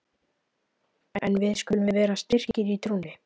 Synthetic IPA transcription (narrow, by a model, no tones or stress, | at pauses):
ɛ̰nvɪðskcʏlʏmɪvɛːɾast̪ɪr̥cɪɾit̪ʰɾuːnɪ